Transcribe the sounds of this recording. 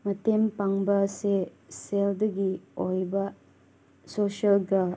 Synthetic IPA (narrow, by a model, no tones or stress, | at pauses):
mɐtempaŋbɐseseldɐɡiojbɐ | sosɐlɡɐ